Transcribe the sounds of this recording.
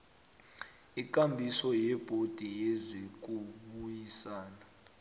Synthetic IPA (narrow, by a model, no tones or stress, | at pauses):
ik̬ʼambʱisɔjɛb̥ʱod̥ʱijezik̬ʼuɓujisaːna